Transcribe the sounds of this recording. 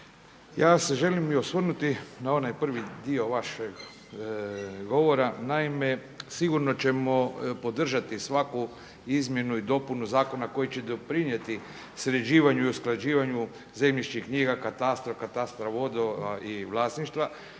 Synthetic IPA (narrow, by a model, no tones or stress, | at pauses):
jaːse̞ʒe̞limiosʋrnut̪inao̞najpr̩ʋid̪io̞ʋaʃeɡ | ɡo̞ʋo̞ɾanaime̞ | siɡuɾno̞t͡ɕe̞mo̞po̞d̪r̩ʒat̪isʋaku | izmje̞nuid̪o̞punuzaːko̞nako̞jit͡ɕe̞d̪opɾiɲe̞t̪i | sɾed͡ʑiːʋaɲuiusklˠad͡ʒiːʋaɲu | ze̞mʎiʃt͡ʃixkɲiɡakat̪ast̪ɾofkat̪ast̪ɾaʋo̞d̪oaiʋlˠaːsniʃt̪ʋa